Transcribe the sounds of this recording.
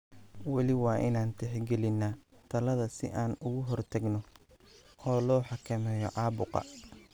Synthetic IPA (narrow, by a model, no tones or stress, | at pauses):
wɑlɪwɑːʔɪnaːnt̪ʰɛħɡɛlɪnːaːt̪ʰɐlɐðɐsɪ̰ʔaːnʊɣʊɦɔrt̪ʰɐɡnɔ | ʔɔːlɔːħɑkʰɐmɛːjɔ̰ʕɑːbʊqɑ̰